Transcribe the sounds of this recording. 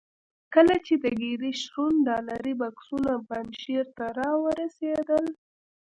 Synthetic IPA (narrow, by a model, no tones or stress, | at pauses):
kəlat͡ʃed̪əɡeɾiʃɾunɖɑlaɾibaksunabanʃeɾt̪aɾɑwəɾased̪əl